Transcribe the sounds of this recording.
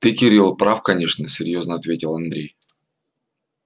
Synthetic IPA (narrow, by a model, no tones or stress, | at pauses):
t̪ɨkʲɪɾʲilˠpɾafkɐnʲe̞ʂnəsʲɪɾʲjo̞znəɐt̪vʲetʲɪlˠɐnd̪ɾʲej